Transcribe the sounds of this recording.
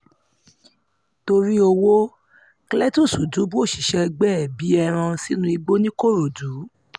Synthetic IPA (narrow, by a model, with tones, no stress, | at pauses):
to˧ɾi˦o˧wo˦ | klɛ˦tu˦˨su˨du˨˦bu˦o˦˨ʃi˨ʃɛ˧ɡ͡bɛ˦˨bi˨˦ɛ˧ɾ̃ã˧si˦nũ˦i˧ɡ͡bo˦nĩ˦ko˦˨ɾo˨du˨˦